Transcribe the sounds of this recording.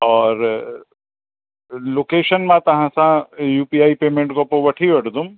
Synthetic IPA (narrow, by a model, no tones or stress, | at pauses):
ɔːɾ | loːkeːʃənmãt̪ɐɦãsãjuːpiaːipeːmẽɳʈkopoʋəʈʰiʋɐʈd̪um